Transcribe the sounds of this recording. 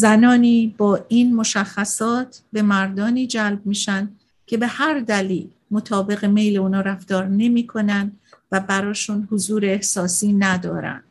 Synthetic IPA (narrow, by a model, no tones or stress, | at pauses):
zænɒːniːbɒːʔiːnmo̞ʃæxːæsɒːt̪ʰbe̞mæɾd̪ɒːniːd͡ʒælb̚miːʃænd̪ | kʲʰe̞be̞hæɾd̪æliːl | mo̞t̪ʰɒːbe̞ɣe̞me̞jleuːnɒːɾæft̪ɒːɾne̞miːkʰo̞nænd̪væbæɾɒːʃunhozuːɾeːhsɒːsiːnæd̪ɒ̰ːɾæ̰nd̪̥